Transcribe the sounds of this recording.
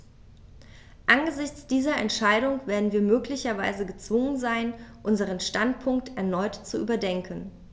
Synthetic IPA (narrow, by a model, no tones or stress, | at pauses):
ʔanɡəzɪçt͡sd̥iːzɐɛ̰ntʃaɪɾʊŋv̥eːɐdn̩viːɐmøːklɪçɐvaɪzəɡət͡sv̥ʊŋənzaɪnʔʊnzəʁ̞ənʃtantpʰʊŋk̚tʰɛɐnɔʏtt͡suʔy̰ːbɐdɛŋkʰən